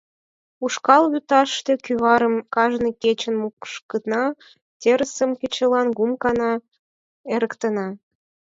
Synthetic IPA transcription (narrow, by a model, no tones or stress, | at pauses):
uʃkɑlβyt̪ɑʃt̪e̽kyβɑɾəmkɑʒnəket͡ɕənmukʃkət̪nɑ | t̪ʲeɾəsəmket͡ɕəlɑnɡumkɑnɑ | eɾəkt̪ənɑ